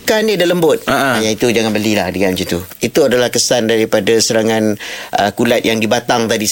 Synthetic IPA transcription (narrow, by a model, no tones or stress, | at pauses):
kanidaləmbʊt̪̚aʔjait̪ud͡ʒaŋanbəlilahdəŋand͡ʒit̪uit̪uadalahkəsandaɾipadasəɾaŋãnʔə̰kulat̪̚jaŋdibat̪aŋt̪adi